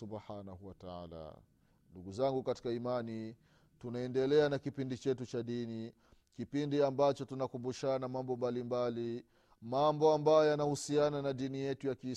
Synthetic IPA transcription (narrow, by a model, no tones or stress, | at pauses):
ubħanahuwataa̰la̰ | nduɡuzaŋɡukati̥kaimani | tunaɛndɛlɛanakipindit͡ʃɛtut͡ʃaɗini | kipindiambat͡ʃɔtunakumbuʃanamambɔmbalimbali | mambɔambajɔjanahusiananaɗinijɛtujaki